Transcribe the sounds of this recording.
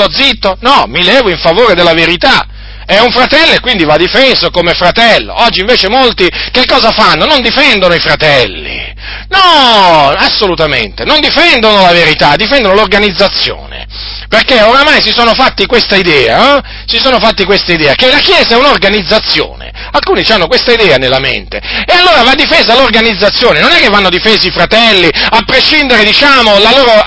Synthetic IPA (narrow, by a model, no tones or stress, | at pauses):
ɔd̪zit̪ːonɔmilɛːvoiɱfavoːɾed̪elːaveɾit̪a | ɛuɱfɾat̪ɛlːoekwind̪ivad̪ːifɛsokomefɾat̪ɛlːo̰ɔd͡ʒːiɱveːt͡ʃemolt̪ikekːɔːzafanːonond̪ifɛnd̪onoifɾat̪ɛlːḭ | nɔ | asːolut̪amḛnt̪enond̪ifɛnd̪onolaveɾit̪ad̪ifɛnd̪onolorɡanid̪zat̪sːjo̰ːnḛ | perkeoɾamajsisoːnofat̪ːikwest̪aid̪ɛːa̰ɔ | sisoːnofat̪ːikwest̪aid̪ɛːakelakjɛːzaɛunorɡanid̪zːat̪sːjo̰ːnḛ | alkuːnit͡ʃanːokwest̪aid̪ɛːanelːamḛnt̪ḛealːoːɾavad̪ːifeːzalorɡanid̪zːat̪sːjoːnenonɛkːevːanːod̪ifeːziifɾat̪ɛlːiapːɾeʃːind̪eɾed̪it͡ʃaːmolaloːɾo